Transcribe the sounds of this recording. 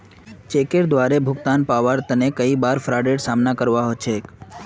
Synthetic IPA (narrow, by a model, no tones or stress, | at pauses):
t͡ʃekeɾd̪ʋaɾebʱʊɡt̪anpaʋəɾt̪ənekəibaɾfʰɾaɖeɽsamnakəɾʋaɦot͡ʃʰek